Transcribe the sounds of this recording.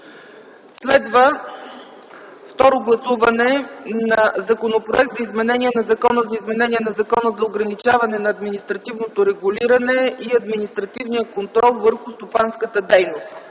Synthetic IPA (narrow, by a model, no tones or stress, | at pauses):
slɛd̪və | ft̪ɔɾoɡlˠɐsuvɐnɛnɐzɐkonopɾo̰ɛk̚t̪zɐizmɛnɛnʲiɛnɐzɐkɔnəzɐizmɛnɛniɛnɐzɐkɔnəzɐoɡɾɐnit͡ʃavɐnɛnɐːd̪minist̪ɾɐt̪ivnot̪oɾɛɡuliɾɐnɛiɐd̪minist̪ɾɐt̪ivnijəkont̪ɾɔlˠvəɾxʊst̪opanskət̪əd̪ɛjnost̪